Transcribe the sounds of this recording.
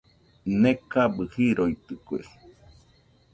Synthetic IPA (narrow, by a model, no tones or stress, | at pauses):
nekabɨhiɾoit̪ɨkuḛ